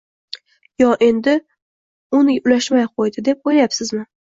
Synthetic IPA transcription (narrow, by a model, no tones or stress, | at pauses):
jɒʔe̞nd̪ɪ | ʊnɪʊlaʃmajqʰojd̪ɪd̪e̞p̚ojlajapsɪzmɪ